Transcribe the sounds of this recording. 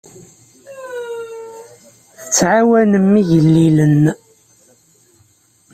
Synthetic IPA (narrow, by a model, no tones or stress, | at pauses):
θə̥t͡sːʕawænəmːiʝəlːilən